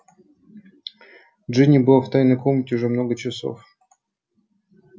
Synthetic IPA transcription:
dʐɨnʲibɨlˠaft̪ajnəkɔmʲnʲətʲʊʐɛmnoɡət͡ɕaso̰f

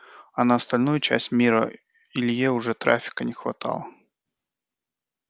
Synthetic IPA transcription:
ɐnəɐst̪alʲnujʊt͡ɕæ̰sʲtʲmʲiɾə̰ | ɪlʲjeʊʐɛt̪ɾa̰fʲɪ̥kənʲɪxva̰t̪a̰lˠə

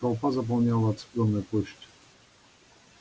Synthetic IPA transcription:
awpazap̬ɔmɲawat̪splɔnɛpuɕt͡ɕ

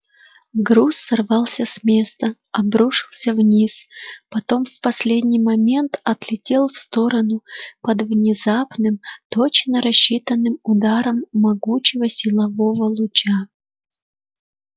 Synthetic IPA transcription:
ɡɾusːɐrvɑlˠsʲəsmʲe̞st̪ə | ɐbɾuʂɨ̥lˠsʲəvnʲispɐt̪o̞mfpɐsʲlʲedʲnʲɪjmɐmʲe̞nt̪ɐt̪lʲɪtʲe̞lˠfst̪o̞ɾənʊpəd̪vnʲɪzapnɨmt̪o̞t͡ɕnəɾɐɕːit̪ənːɨmʊd̪aɾəmːɐɡut͡ɕɪvəsʲɪlˠɐvo̞vəlˠʊt͡ɕa

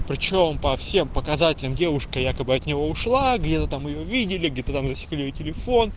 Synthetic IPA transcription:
pɾʲɪt͡ɕo̞mpɐfsʲe̞mpəkɐzatʲɪlʲəmdʲe̞vʊʂkəjakəbɨɐt̪nʲɪvo̞ʊʂlˠaɡdʲe̞t̪ət̪amɨjovʲidʲɪlʲɪɡ̚dʲe̞t̪ət̪amzəsʲɪ̥klʲijotʲɪlʲɪfo̞n

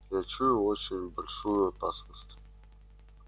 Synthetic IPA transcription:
jat͡ʃʰujʊot͡ɕɪnʲbɐlʲʂujʊɐpasnəst̪ʲ

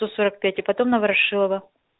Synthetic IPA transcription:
osoɾək̚pʲætʲɪpɐt̪o̞mnɐvɐɾɐʂɨlˠəvə

